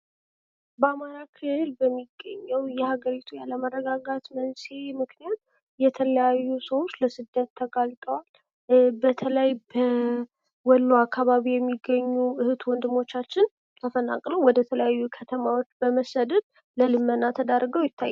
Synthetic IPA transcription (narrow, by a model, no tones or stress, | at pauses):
bəamaɾakʰɨlɨlbəmːiɡːəɲːəwjɛhaɡəɾit̪ʰujaləmərːəɡaɡat̪mənsemɨknijat̪ | jɛt̪ʰələjajːusəwot͡ʃːləsɨd̪ːət̪ʰːəɡalt̪ʼəwal | bət̪ʰələjbə | wɔlːuakʰːaβaβijɛmːiɡːəɲːuʔɨhɨt̪wɔnd̪ɨmo̞t͡ʃːat͡ʃːɪn | t̪ʰəfəna̰kʼləwwɔd̪ət̪ʰələjajːukʰət̪ʰəmawo̞t͡ʃːbəməsəd̪ət̪̚ | ləlɨmːənːat̪ʰəd̪ərɡəwjɪt̪ʰːajː